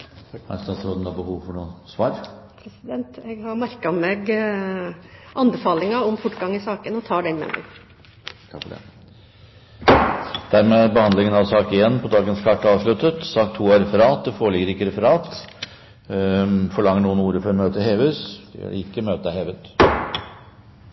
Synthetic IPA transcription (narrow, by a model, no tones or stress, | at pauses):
æ̰st̪ɑsɾoːd̪ənɑbəhuːʋfɔɳuːsʋɑːɾpʰɾɛsɪd̪ɛnt̪ɛɡhɑɾmæɾkɑmeɡ | ʔɑnbɛfɑːlɪŋɑɔmfʊʈːɡɑŋːɪsɑːkənɔt̪ʰɑːɖɛnmɛ̰mʔɛ̰ɡ | kʰɑfɔɖɛ̰ | d̪̥æɾmeːbəhɑnd̪lɪŋənɑʋsɑːkɪɛnːpʰɔd̪ɑːɡənskʰɑʈːɑːʋʂɭʉt̪ːət̪sɑːkt̪ʰuːæɾɛfəɾɑːt̪̚d̪ɛfoːɭɪɡəɾɪkːəɾɛfəɾɑːt̪ | fɔɭɑŋːəɳuːənuːɾəfɔɾɔmøːt̪əɦeːʋʉsd̪̥ɛ̰jø̰ːɖɛ̰ɪkːəmøːt̪əəheːʋət̪